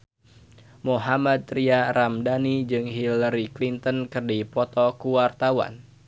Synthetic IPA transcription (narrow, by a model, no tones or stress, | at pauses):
moɦamad̪̚ɾiaɾamdanid͡ʒɨŋɦilaɾiklint̪ənkɨrdipɔt̪ɔkuwart̪awa̰n